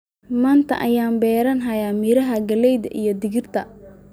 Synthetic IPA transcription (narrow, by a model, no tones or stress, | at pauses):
maːnt̪ʰɐ̰ʔɐjaːnbɛːɾɐnɦɐjaːmiɾɐɦɐɡɐlɛjðɐ̰ʔijɞd̪ɪɣɪrt̪ʰɐ